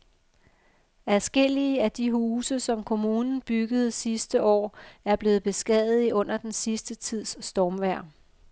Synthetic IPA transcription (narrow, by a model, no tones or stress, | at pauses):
æsɡ̥el̰iəæd̥iɦuːsəsɒ̽mkʰo̝muːnn̩b̥yɡ̥əð̞̩ˠsisd̥əʔɒ̰ːæɐb̥le̝ːð̩ˠb̥e̝sɡ̥ɛðˠð̩ˠiɔ̽n̰ɐd̥ensisd̥ət͡sʰið̰ˠsːd̥ɒːmʋæɐ̰